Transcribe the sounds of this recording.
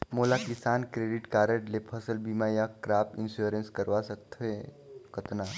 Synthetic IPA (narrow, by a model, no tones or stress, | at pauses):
moːlakɪsaːnkɾeːɖɪʈkaːɾəʈlepʰəsəlbiːmajakɾaːp̚ɪnsjuoɾə̃nskəɾʋasəkt̪ʰe | kət̪na